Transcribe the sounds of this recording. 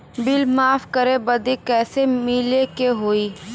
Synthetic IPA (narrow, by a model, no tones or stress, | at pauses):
bɪlmaːfkəɾebɐd̪ekɛːsemɪlekeɦoːiː